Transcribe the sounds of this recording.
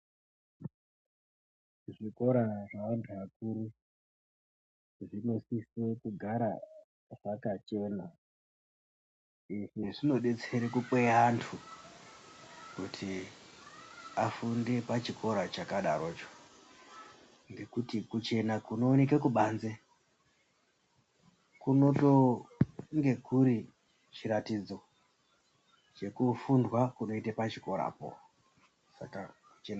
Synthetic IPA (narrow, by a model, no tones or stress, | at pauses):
ʐiko̞ɾaʐaantʰakuɾi | ʐino̞sisekuɡʱaɾa | ʐakat͡ʃe̞na | iʐiʐino̞ɗe̞t͡seɾekupeantʰu | kutʰi | afunde̞pat͡ʃikʰo̞ɾat͡ʃakaɗa̰ɾo̞t͡ʃo̥ | ŋɡe̞kutikut͡ʃe̞nakuno̞ːne̞kekuɓaːnze | kuno̞to̞ | ŋɡe̞kuɾi | t͡ʃiɾatid͡zo̞ | t͡ʃe̞kufundwakuno̞itepat͡ʃiko̞ɾa̰ːpo̰ | sa̰kakut͡ʃen